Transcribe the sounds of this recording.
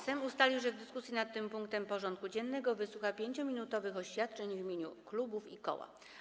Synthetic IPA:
sɛmust̪alʲiwʐɛvd̪ɘskusʲjinat̪ːɘmpuŋk̚t̪ɛmpɔʐɔnt̪̚kud͡ʑɛnːɛɡɔvɘswuxapʲjeɲt͡ɕɔmʲinut̪ɔvɘxɔɕfʲjat̪̚t͡ʂɛɲvimʲeɲuklubufikɔ̰wa̰

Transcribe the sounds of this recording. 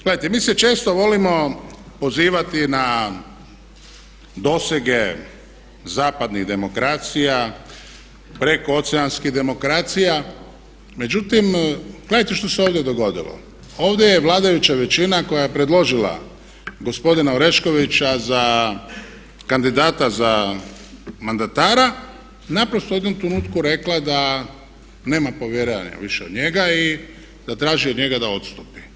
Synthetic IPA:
ɡ̥leajt̪emiːset͡ʃe̞ːst̪oʋo̞limo̞ | po̞ziːʋat̪ina | d̪o̞seɡe̞ | zaːpad̪niɣd̪e̞mo̞kɾaːt̪sija | pɾe̞ko̞o̞t̪seanskid̪e̞mo̞kɾaːt̪sija | me̞d͡ʑut̪imɡ̥le̞d̪ajt̪eʃt̪o̞seoːʋd̪jed̪o̞ɡo̞d̪ḭlo̰ | o̞ːʋd̪ʲeje̞ʋlˠaːd̪ajut͡ɕaʋe̞t͡ɕinako̞jajepɾed̪lˠo̞ʒila̰ | ɡo̞spo̞d̪inaoɾe̞ʃko̞ʋit͡ɕaza | kand̪id̪aːt̪aza | mand̪at̪aːɾa | napɾost̪oed̪omt̪ɾnut̪kuɾe̞klad̪a | ne̞ːmapo̞ʋjeɾea̰ɲa̰ʋiʃeo̞d̪ɲe̞ɡai | d̪̥at̪ɾaːʒiod̪ɲe̞ɡad̪ao̞t̪st̪upi̥

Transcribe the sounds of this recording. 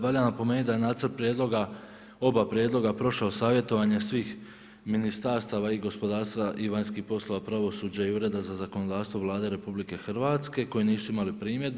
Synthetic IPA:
ʋaʎanapo̞meːnit̪d̪ajenaːt̪səɾpɾjed̪lˠo̞ɡa | o̞bapɾjed̪lˠo̞ɡapɾo̞ʃaosaːʋje̞t̪o̞ʋaɲe̞sʋiːx | minist̪aɾst̪aʋaiɡo̞spo̞d̪aːɾst̪ʋaʔiʋaɲskihpo̞slo̞ʋapɾaʋo̞suːd͡ʑaiuɾe̞d̪azazako̞nod̪aːfst̪ʋo̞ʋlˠaːd̪e̞ɾe̞publike̞xr̩ʋaːt̪ske̞ko̞jiniːsuimalipɾiːmjed̪

